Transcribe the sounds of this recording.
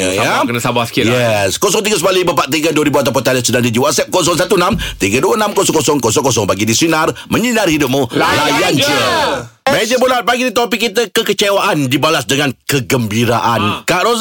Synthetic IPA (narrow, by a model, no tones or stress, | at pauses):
jakənasabaskijɛskosɔŋt̪̬iɡəs̬əbalibəpaʔ̚t̪iɡəduəɾibuat̪̬ap̬ənt̪adəsudandid͡ʒiwat̪sɛp̚kos̬ɔŋsat̪unãmt̪iɡəduənãmkosɔŋkosɔŋkɔsɔŋkosɔŋpaɡidiswinarmə̃ɲinarhidʊp̚mulajand͡ʒiə | madiəbolat̪̚baɡidit̪opikːit̪̬əkəkət͡ʃewaʔandibalasdəŋankəɡəmbiɾaʔankaʔɾo